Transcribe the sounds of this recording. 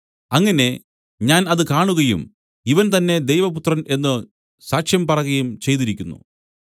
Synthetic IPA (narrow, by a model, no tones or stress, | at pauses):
ɐŋːɐne̞ | ɲaːnɐðɨkaːɳuɣɐjṵm | iʋɐnt̪ɐnːe̞d̪e̞jʋɐput̪rɐne̞nːɨ | saːkʂjɐmpɐrɐɣɐjumt͡ɕe̞jt̪̬iɾikʲːunːṵ